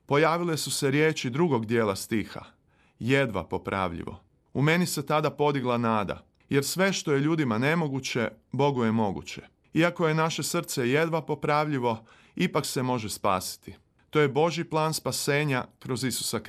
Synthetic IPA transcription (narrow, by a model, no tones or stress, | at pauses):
po̞jaːʋile̞suse̞ɾje̞ːt͡ʃid̪ɾuɡo̞ɡd̪je̞ːlˠast̪iːxa̰ | jed̪ʋa̰po̞pɾʔa̰ʋʎḭʋo̞̰ | ume̞nise̞t̪ad̪apo̞d̪iɡlˠanaːd̪a̰ | je̞ɾsʋe̞ʃt̪o̞je̞ʎuːd̪imane̞mo̞ɡut͡ɕe̞bo̞ɡoje̞mo̞ɡṵt͡ɕe̞̰ | iako̞je̞naʃe̞sr̩t̪se̞je̞d̪ʋapo̞pɾaʋʎiʋo̞ | ipakse̞mo̞ʒespa̰ːsi̥t̪i | t̪o̞je̞bo̞ʒiplˠaːnspase̞ːɲakɾo̞zisu̥sak